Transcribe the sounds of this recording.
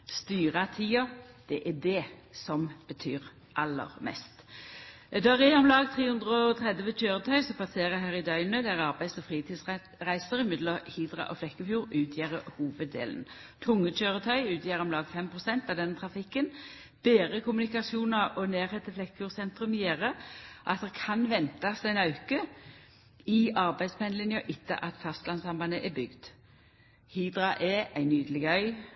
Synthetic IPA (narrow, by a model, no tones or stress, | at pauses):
st̪yːʁɑt̪ʰiːɑd̪̥ɛʔæd̪ɛsɔmb̥ət̪ʰyːʁ | ʔɑlːə̰ʁmɛ̰st̪ | d̪ɑʁeːɔmlɑːɡt̪ʰʁeːhʉnd̪ʁəɔɔt̪ʰʁɛd̪ʋət͡ʃøːʁət̪ʰœʏsɔp̪ʰɑseːʁəɦæːʁɪd̪œʏnøːd̪ɛʁɑʁbæɪsɔfʁiːt̪ʰiːd̪s | ʁæɪsəɾɪmɪd̪ləhid̪ɾɑ̰ʔoflɛkːəfjuːɾʉːt̪ʰjeːʁəhuːʋəd̪ːḛːln̩ | t̪ʰʊŋːət͡ʃøːʁət̪ʰœʏʉːt̪ʰjeːʁɔmlɑːɡfɛmpʰʁʊsɛnt̪ɑʋd̪ɛnːət̪ʰʁɑfɪkːən | b̥eːʁəkʰʊmʉnɪkɑsɪuːnəʁɔneːʁheːt̪əflɛkːəfjuːʁsɛnt̪ʁʉmjeːʁəʔɑ̰t̪̚d̪ɛkʰɑnʋɛnt̪ɑsd̪æɪnɑʉkə | ɪɑʁbæɪspʰɛnəlɪnjəʔɪt̪ːə̰ʔɑt̪fɑst̪lɑnsɑmbɑnəʔɛbʏɡd̪̥ | hiːd̪ʁɑʔɛæɪnyːd̪əlɪɡəœʏ